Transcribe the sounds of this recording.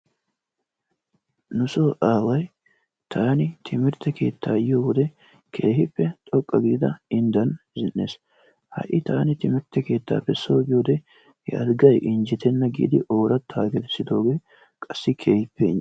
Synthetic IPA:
nʊsoːʔaːwɐj | t̪ʰaːnɪt̪ʰɪmɪɾt̪ːɛke̞ːt̪ːaːjɪjowɔd̪ɛ | kʰe̞ːhɪpːɛt̪ʼɔkʼːɐɡɪd̪ɪd̪ɐɪnd̪ɐnzɪnːe̞̰ːs | hɐ̰ʔɪt̪aːnɪt̪ɪmɪɾt̪ːɛke̞ːt̪ːa̰ːpɛsːo̞ːɡɪjoːd̪ɛ | ja̰d̪ɡɐjʔɪnd͡ʒɪt̪ɛnːɐɡḭːd̪ɪʔo̞ːɾɐt̪ʰːaːɡɛd̪ɛsːɪd̪o̞ːɡe̞ː | kʼɐsːɪkʰe̞ːhɪpːɛɪ̰

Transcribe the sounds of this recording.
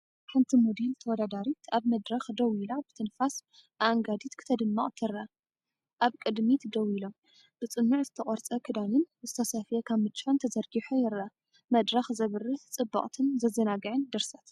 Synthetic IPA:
ħɨnt̪ʰimod̪elt̪ʰɐwɔd̪ad̪aɾit̪ʰaβmɐd̪ɾɐxd̪ɐwilabɨt̪ʰɨnfas | ʔaŋɡad̪it̪kʰɨ̥t̪ʰɐd̪ɨmːɐχʼt̪ʰɨɾa | ʔaβkʼɨd̪mit̪d̪ɐwilom | b̥ɨt͡sʼɨnːuʕzɨt̪ʰɐχʼɔɾt͡sʼɐkʰɨd̪anɨnzɨt̪ʰɐsɐfɨjɐkʰaβmɨt͡ʃʼːont̪ʰɐzɐɾɡiħojɪɾa | mɐd̪ɾɐxzɐβɨrɨt͡sʼɨbːɐ̰χʼt̪ʰɨnzɐzɐnaɡɐʕɨnd̪ɨɾsɐt̪

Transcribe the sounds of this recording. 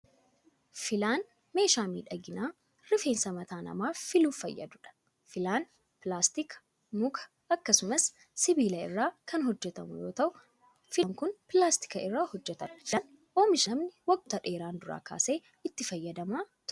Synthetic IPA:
fɪlaːn | me̞ːʃaːmḭːᶑɐɡɪnaː | rɪfe̞ːnsɐmɐt̪aːnɐ̰maːfɪluːɐ̰jːɐ̰d̪ʊᶑɐ̥ | fɪlaːn | plaːst̪ɪk | mʊkʰɐ̥ | ɐkːɐsʊmɐsː | ɪbiːlɐɪ̰rːaːkʰɐnɦɔd͡ʒːɛt̪ɐmʊ̰jo̞ːt̪ɐʔʊ | fɪŋkʊnpɪlaːst̪ɪ̥kɐɪrːaːhɔd͡ʒːɛt̪ɐnn | o̞ːmɪʃɐmnɪwɐɡʼʊt̪ɐᶑe̞ːɾaːnd̪ʊɾa̰ːkʰa̰ːse̞ː | ɪt̪ːɪfɐjːɐd̪ɐmaːt̪

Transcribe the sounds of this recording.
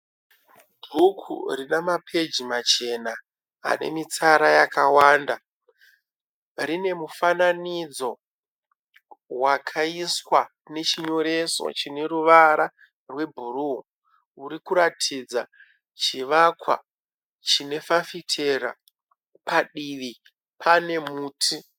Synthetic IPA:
dʱukʰṵrinamapʰe̞d͡ʒimat͡ʃe̞na̰ː | ne̞̰mit͡saɾajakawaːnda | rine̞mufananid͡zo̞ | wakʰaiswa | ne̞t͡ʃiɲo̞ɾe̞so̞̰t͡ʃine̞ruʋaɾa | rwe̞bʱuruɦo | uɾikuɾatʰid͡za | t͡ʃiʋakwa̰ | t͡ʃine̞fafitʰeɾa̰ | paɗiʋi | pʰane̞muːtʰi

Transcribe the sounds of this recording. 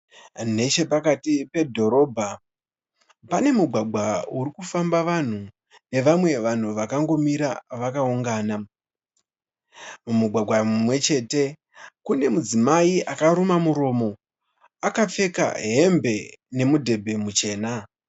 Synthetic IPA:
ne̞t͡ʃe̞pakatipe̞dʱo̞ɾo̞ːbʱa | pane̞muɡʱwaɡʱwauɾikufambaʋan̤u | ne̞ʋamwe̞ʋan̤uʋakaŋɡo̞miɾaʋakauŋɡaːna | mumuɡʱaɡwamwe̞t͡ʃe̞ːte̞ | kune̞mud͡zimaiʔakaɾumamuɾo̞ːmo̞ | akap͡fe̞ka̰ɦe̞mbe̞ne̞mudʱe̞bʱe̞mut͡ʃe̞ːna

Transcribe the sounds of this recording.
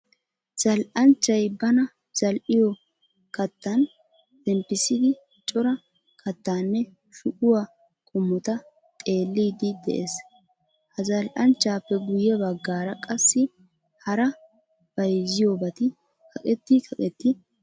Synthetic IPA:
z̥ɐlʔɐnt͡ʃːɐjbɐnɐ | z̥ɐlʔɪjɔ | kɐt̪ːɐn | t̪ɛmpːɪsɪd̪ɪ | t͡ʃʼɔɾɐ | kʰɐt̪ːaːnːɛ | ʃʊʔʊwa | kʼʊmːɔt̪ɐ | t̪ʼe̞ːlːiːd̪ɪd̪ɛ̰ʔḛːs | hɐzɐlʔɐnt͡ʃːaːpːɛɡʊjɛbɐɡːaːɾɐkʼɐsːɪ | hɐɾɐ | b̥ɐjzɪjobɐt̪ɪ | kɐkʼɛt̪ːɪkʰɐkʼɛt̪ːɪ

